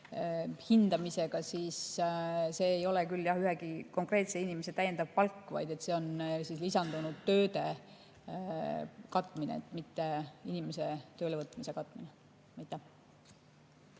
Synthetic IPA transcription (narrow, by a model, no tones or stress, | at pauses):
hind̪ɑmise̞ɡ̥ɑsiːs | se̞ːjo̞lekylːjɑhyɦeɡiko̞ŋkre̞ːt̪se̞inimeset̪æje̞nd̪ɑv̥pɑlkːvɑ̰jd̪e̞t̪se̞o̞nsislisɑnd̪̥unud̪̥̚t̪ø̞ːd̪e̞ | kɑt̪ːˑminḛet̪ːˑmit̪ːe̞inimese̞t̪ø̞ːlevɤt̪ːˑmise̞kɑt̪ːˑmine | mɑjt̪ːˑæh